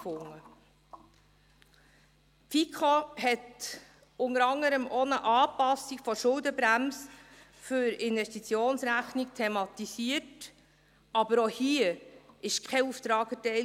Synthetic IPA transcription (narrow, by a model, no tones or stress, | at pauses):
fʊŋːə | fikʰɔphɛt | ʊŋəɾɑŋəɾəmʔoːnəʔɑːpɑsːikfɔʃʊldəbɾæms | fʏɾɪnvɛstit͡sjoːnsɾæχnikt̪ʰɛmɑt̪isiət | ɑbəɾohiːəɪʃkʰɛuft̪ɾɑːɡətɛɪ